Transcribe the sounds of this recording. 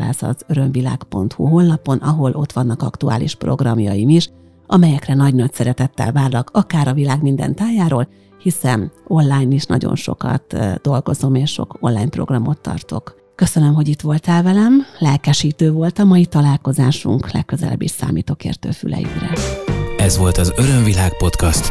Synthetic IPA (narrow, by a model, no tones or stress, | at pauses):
a̰ːsɒ̰zø̞ɾø̞ɱvilaːkpo̞nt̪hṵɦo̞nːɒpo̞nɒɦo̞lʔo̞t̪ʋɒn̪ːɒkɒkt̪ua̰ːlḭʃpro̞ɡrɒmjɒjimiʃ | ɒmɛjɛkrɛnɒɟnɒcsɛɾɛt̪ɛt̪ːɛ̰lvaːrlɒkɒkaːɾɒvilaːɡmind̪ɛ̰nt̪aːjaːɾoːl | hisɛno̞nlaːjniʃnɒ̰ɟo̞̰nʃo̞̰kɒ̰t̪d̪̥o̞lɡo̞zo̞meːʃʃo̞̰ko̞nlːaːɲpro̞̰ɡrɒmo̞t̪ːɒ̰rt̪o̞̰k | kø̞sønø̞mɦo̞ɟit̪ʋo̞lt̪ɛlvɛlɛmlɛlkɛʃiːt̪øːvo̞lt̪ɒmɒjit̪ɒlaːlko̞zaːʃṵŋklɛ̰kːøzɛlɛ̰bːiʃsa̰ːmiːt̪oːkḛːrt̪ø̰ːfy̰lɛ̰jy̰krɛ̰ | ɛzʋo̞lt̪ɒzø̞ɾø̞ɱvilaːk̚po̞t̪kɒst̪